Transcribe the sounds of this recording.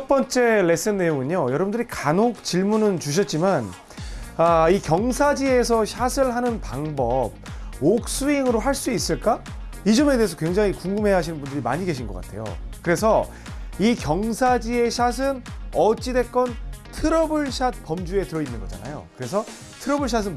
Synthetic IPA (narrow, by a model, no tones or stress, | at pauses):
t͡ɕʰʌp͈ʌnt͡ɕ͈e̞le̞s͈ɯnːe̞joŋɯɲojʌɾʌbundɯɾikanok̚t͡ɕiɭmunɯnt͡ɕuɕ̬ʰʌt̚t͡ɕ͈iman | aikjʌŋsʰad͡ʑie̞sʰʌɕʰasʰɯɭɦanɯnpaŋbʌb̚ok̚s͈uiŋɯɾoɦaɭs͈uis͈ɯɭk͈aid͡ʑʌme̞de̞ɦesʰʌkwe̞ŋd͡ʑaŋikuŋɡɯmɦe̞jɦaɕʰinɯnbundɯɾima̰ɲiɡe̞ɕʰinɡʌk͈a̰tʰe̞jo̰kɯɾe̞sʰʌ | ikjʌŋsʰad͡ʑie̞ɕʰasʰɯnʌt͡ɕ͈ide̞k͈ʌntʰɯɾʌbɯɭɕʰat̚p͈ʌmd͡ʑue̞tɯɾʌinːɯnɡʌd͡ʑa̰na̰jo̰kɯɾe̞sʰʌ | tʰɯɾʌbuɭɕ̬ʰas̬ʰɯn